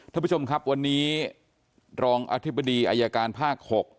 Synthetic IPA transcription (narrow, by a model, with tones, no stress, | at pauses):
k̪ʰaː˥˩pu˦˥t͡ɕʰo˧mkʰɾa˦˥p̚wa˧nːiː˦˥ | ɾɔː˧ŋʔa̰ː˧t̪ʰi˦˥ba˧diː˧ʔaː˧jaː˧kaː˧npʰaː˥˩k̚ho˨˩k̚